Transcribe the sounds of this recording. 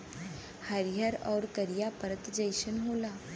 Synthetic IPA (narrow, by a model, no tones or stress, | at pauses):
həɾjəɾɔːɾkəɾijapəɾət̪d͡ʒəjʃənɦoːlaː